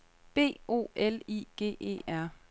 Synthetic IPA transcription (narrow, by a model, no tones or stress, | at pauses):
b̥e̝̰ːo̝̰ːelḭɡ̥e̝̰ːʔe̝̰ːæɐ̰